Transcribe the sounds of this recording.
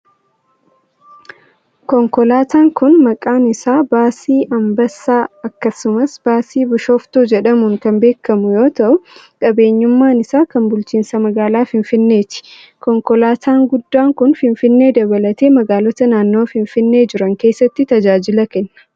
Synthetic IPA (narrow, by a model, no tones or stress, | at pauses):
kɔŋkɔlaːt̪aːŋkʊnmɐkʼaːnɪsaːbaːsiːʔɐmbɐsːaːɐkːɐsʊmɐsb̥aːsiːbʊʃoːft̪oːd͡ʒɛᶑɐmʊŋkɐmbe̞ːkːɐmʊjo̞ːt̪ɐʔʊ | kʼɐbe̞ːɲːʊmːaːnɪsaːkɐnbʊlt͡ʃiːnsɐmɐɡaːlaːfɪɱfɪnːe̞ːt͡ʃːɪ̥ | kɔŋkɔlaːt̪ʰaːŋɡʊd̪ːaːŋkʊnfɪnfɪnːe̞ːd̪ɐbɐlɐt̪e̞ːmɐɡaːlɔt̪ɐnaːnːo̞ːfɪɱfɪnːe̞ːd͡ʒɪɾɐŋke̞ːsːɐt̪ːɪt̪ɐd͡ʒaːd͡ʒɪlɐkɛnːɐ̥